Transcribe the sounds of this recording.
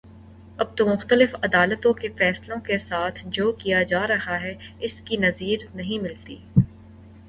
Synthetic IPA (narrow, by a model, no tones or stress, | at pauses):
ɐb̚t̪omʊxt̪əlɪfɐd̪aːlət̪õkefɛːslõkesaːt̪ʰd͡ʒoːkijad͡ʒaːɾɐɦaɦɛɪskinɐziːɾnɐɦĩmɪlt̪ḭː